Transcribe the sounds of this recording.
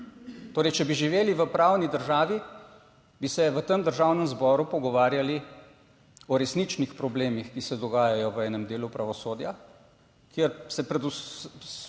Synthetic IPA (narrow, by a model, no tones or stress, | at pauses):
t̪oːɾɛjt͡ʃɛbiʒiʋeːliʋəpɾaːwnid̪əɾʒaːʋi | bisɛʋət̪əmd̪əɾʒaːwnəmzbɔːɾupɔɡɔʋaːɾjali | ɔɾɛsnit͡ʃnixpɾɔbleːmixkisɛd̪ɔɡaːjajɔʋəɛːnəmd̪eːlupɾaʋɔsoːd̪ja | kjeɾsɛpɾɛd̪u